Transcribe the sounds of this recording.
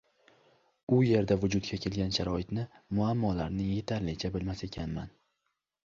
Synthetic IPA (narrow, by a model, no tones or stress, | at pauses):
ʊje̞ɾd̪avʊd͡ʒʊd̪t̪̚ɡʲakʲʰe̞lɡʲanʃaɾɒɪt̪nɪmʊamːɒlaɾnɪje̞t̪ʰaɾlɪt͡ʃʰabɪlmase̞kʲʰanman